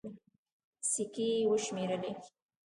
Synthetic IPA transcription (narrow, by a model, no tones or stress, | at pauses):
sikiwəʃmeɾəle